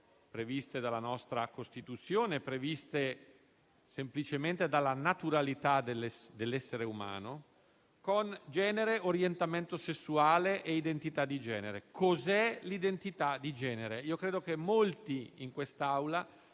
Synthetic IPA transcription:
pɾevist̪ed̪alːanɔst̪ɾakost̪it̪ut̪sːjoːnepɾevist̪e | semplit͡ʃement̪ed̪alːanat̪uɾalit̪ad̪elːd̪elːɛsːeɾeuma̰ːno | kond͡ʒɛːneɾeʔoɾjent̪ament̪osesːuaːleʔeid̪ent̪it̪ad̪ːid͡ʒɛ̰ːneɾekʰozɛlid̪ent̪it̪ad̪ːid͡ʒɛːneɾeiːokɾeːd̪ok̟emːolt̪iiŋkwest̪aawla

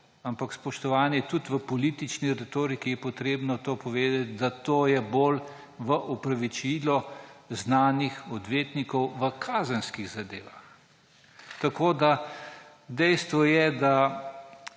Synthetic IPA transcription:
ampakspɔʃt̪ɔʋaːnjɛt̪ut̪ʋəpɔliːt̪it͡ʃniɾɛt̪oːɾikijɛpɔt̪ɾeːbnɔt̪oːpɔʋeːd̪at̪d̪at̪oːjɛboːl | ʋəʔɔpɾaʋit͡ʃilɔznaːnixɔd̪ʋeːt̪nikɔwʋəkʰaːzənskiɣzad̪eːʋax | t̪akoːd̪a | d̪ɛjst̪ʋɔjɛd̪a

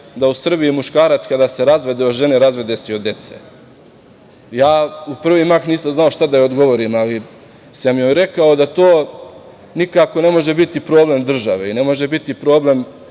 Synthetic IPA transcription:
d̪ausr̩bijimuʃkaːɾat̪skad̪ase̞ɾazʋe̞d̪eoʒe̞neɾazʋe̞d̪esiod̪e̞t̪se̥̰ | jaːupr̩ʋimaxniːsamznaoʃt̪ad̪ajeod̪ɡo̞ʋo̞ɾimali | samjojɾe̞kao̞d̪at̪oː | nikako̞ne̞mo̞ʒe̞bit̪ipɾo̞ːble̞md̪r̩ʒaʋe̞ine̞mo̞ʒe̞bit̪ipɾo̞ːble̞m

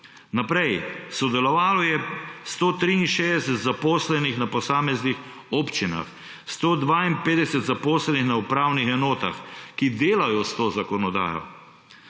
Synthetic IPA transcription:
napɾɛjsɔd̪ɛlɔʋaːlɔjɛst̪oːt̪ɾiinʃeːd̪ɛsɛt̪zapoːslɛnixnapɔsaːmɛznix | oːpt͡ʃina̰x | st̪oːd̪ʋaːimpeːd̪ɛsɛt̪zapoːslɛnixnaupɾaːwnixɛnoːt̪a̰xkid̪eːlajɔst̪oːzakɔnɔd̪a̰ːjɔ̰

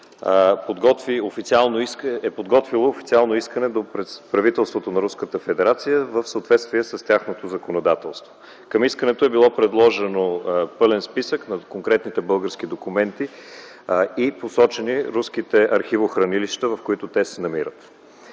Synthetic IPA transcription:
pod̪ɡɔt̪viofit̪sialˠnoiɛpod̪ɡɔt̪vilˠoːfit̪sialˠnoiskənɛd̪opɾɛpɾɐvit̪ɛlˠst̪vot̪onɐɾuskət̪əfɛd̪ɛɾat̪sijəvəfsəot̪vɛt̪st̪viɛsəst̪ʲaxnot̪ozɐkonod̪at̪ɛlˠst̪vo | kɐmiskənɛt̪oɛbilˠɔpɾɛd̪lˠɔʒɛnopɤlɛnspisəknɐkoŋkɾɛt̪nit̪ɛbɤlˠɡəɾskid̪okumɛnt̪i | iposɔt͡ʃɛniɾuskit̪ɛʔɐɾxivoxɾɐniliʃt̪əvɐfkoit̪ʊt̪ɛsɛnɐmiɾət̪

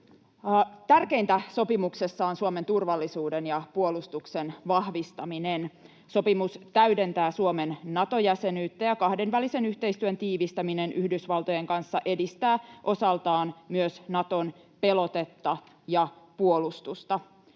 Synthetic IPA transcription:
t̪ærke̞int̪æso̞pimuksesːɑːnsuoment̪urʋɑlːisuːdenjɑpuolust̪uksenʋɑhʋist̪ɑminen | so̞pimust̪æyde̞nt̪æːsuomenːɑt̪o̞jæsenyːt̪ːæjɑkɑhde̞nʋælise̞nyçt̪e̞ist̪yønt̪iːʋist̪æminenʔyhdysʋɑlt̪o̞jeŋkɑnsːɑʔe̞dist̪æːʔo̞sɑlt̪ɑːnmyøsnɑt̪o̞n | pe̞lo̞t̪e̞t̪ːɑ | jɑpuolust̪ust̪ɑ

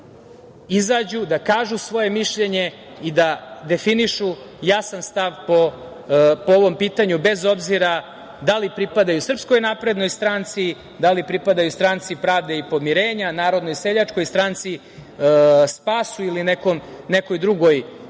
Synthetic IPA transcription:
izad͡ʑud̪akaːʒusʋo̞je̞miʃʎe̞ɲe̞ | id̪ad̪e̞finiʃu | jasanst̪aʋo | pooʋo̞mpiːt̪aɲube̞zo̞bziɾa | d̪alipɾipad̪ajusr̩pskojnapɾe̞d̪no̞jst̪ɾant̪si | d̪alipɾipad̪ajust̪ɾant̪sipɾaːʋd̪eipo̞miɾe̞ːɲanaːɾo̞d̪nojseʎat͡ʂko̞jst̪ɾant̪si | spaːsuilinekomneko̞jd̪ɾuɡo̞j

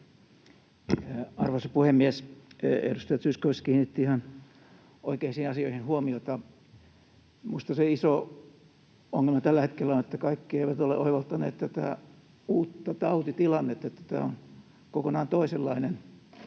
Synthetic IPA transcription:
ɑrʋɑsɑpuhemːiesḛdust̪ɑjɑt̪syːskoʋiskiːnit̪ːiihɑn | o̰ikeːinsihinɑsioihinhuomiot̪ɑ | muist̪ɑseiso | oŋːelmɑt̪ælːæhet̪kelːæonet̪ːækɑikːieiʋæt̪olḛʔo̰iʋolt̪ːɑnḛːt̪t̪æt̪æ̰ | uːt̪ːɑt̪ɑut̪it̪ilɑnːet̪ːet̪ːæ̥t̪æ̰ːon | kokonɑːnt̪oiselːɑinen

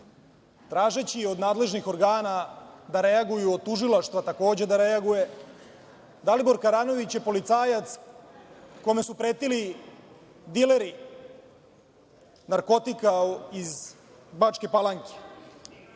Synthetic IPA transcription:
t̪ɾaːʒet͡ɕio̞d̪naːd̪le̞ʒnixo̞ɾɡaːnad̪aɾe̞aɡujuot̪uʒilaʃt̪ʋat̪ako̞ːd͡ʑe̞d̪aɾeaɡuje̞ | d̪alibo̞ɾkaɾano̞ʋit͡ɕje̞po̞lit̪saːjat̪s | ko̞me̞supɾeːt̪ili | d̪ileɾi | naɾko̞t̪ikaiz | bat͡ʃke̞palaŋke̥

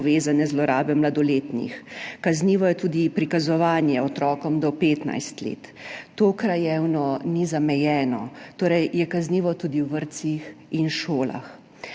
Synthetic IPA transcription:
ʋeːzanɛzlɔɾaːbɛmlad̪ɔleːt̪nḭxkazniːʋɔjɛt̪ud̪ipɾikazɔʋaːnjɛɔt̪ɾɔːkɔmd̪ɔpeːt̪na̰jst̪lḛːt̪ːoːkɾajɛwnɔnizamɛjɛːnɔt̪oːɾɛjjɛkazniːʋɔt̪uːd̪iwʋəɾt̪sixinʃoːla̰x

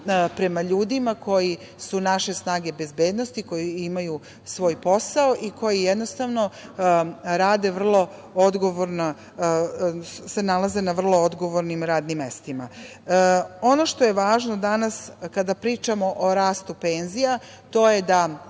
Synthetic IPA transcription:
pɾe̞maʎuːd̪imako̞ji | sunaʃe̞snaːɡe̞be̞zbe̞ːd̪nost̪iko̞jiimaju | sʋo̞ːjpo̞saoʔiko̞jijed̪no̞st̪aʋno̞ | ɾaːd̪e̞ʋr̩lˠo̞ | od̪ɡo̞ʋoɾno | se̞nalaze̞naʋr̩lˠo̞od̪ɡo̞ʋoɾnimɾaːd̪nimːest̪ima̰ | o̞noʃt̪o̞je̞ʋaːʒnod̪anaskad̪apɾiːt͡ʃamo̞ʔoɾaːst̪upe̞ːnzija | t̪o̞je̞d̪a

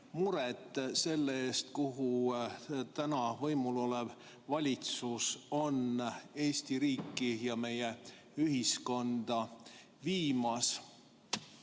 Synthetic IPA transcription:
muɾet̪ːˑse̞lːeeːst̪kuɦu | t̪ænɑvɤjmulo̞lev | vɑlʲit̪suso̞ne̞ːsʲt̪iɾiːkːˑijɑme̞je | yɦisko̞nd̪̥ɑ | viːmɑs

